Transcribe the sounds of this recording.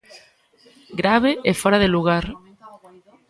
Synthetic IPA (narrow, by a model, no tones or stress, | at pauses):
ɡɾaβ̞eʔefoɾaðeluɣaɾ